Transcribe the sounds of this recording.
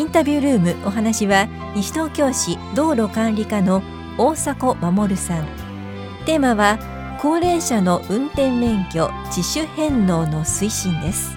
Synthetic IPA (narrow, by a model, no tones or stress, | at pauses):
ĩnt̪abʲɨːɾɯ̟ːmɯ̟ʔo̞ɦanaɕiβa | ɲiɕi̥t̪o̞ːkʲo̞ːɕid̪o̞ːɾo̞kãnɾʲikano̞ | oːsako̞mamo̞ɾɯ̟sãŋ | t̪e̞ːmaβa | ko̞ːɾẽ̞ɰ̃ɕano̞ʔɯ̟̃nt̪ẽ̞nːẽ̞ŋkʲo̞ | d͡ʑiɕɨhẽ̞nːo̞ːno̞sɨiɕĩnd̪e̞sɨ̥